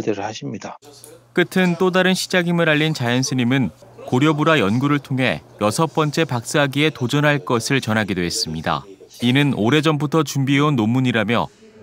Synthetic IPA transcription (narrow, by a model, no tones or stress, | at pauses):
deɾɯɭhaɕʰimɲidak͈ɯtʰɯnt͈odaɾɯnɕʰi̥d͡ʑaɡimɯɾaʎːint͡ɕajʌnsʰɯɲimɯn | koɾjʌbuɾajʌnɡuɾɯɭtʰoŋɦe̞̰jʌsʰʌp͈ʌnt͡ɕ͈e̞pak̚s͈ɯɦaɡie̞tod͡ʑʌnɦaɭk͈ʌsʰɯɭt͡ɕʌnɦaɡidoɦe̞s͈ɯmɲida̰inɯnoɾe̞d͡ʑʌmbutʰʌt͡ɕumbiɦeonːomːuɲiɾamjʌ̰